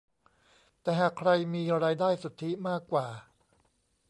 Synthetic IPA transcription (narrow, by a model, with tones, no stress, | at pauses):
t̪ɛː˨˩ɦaː˨˩kʰɾa˧jmiː˧ɾaː˧jdaː˥˩jsu˨˩t̪ʰːi˦˥maː˥˩kːwaː˨˩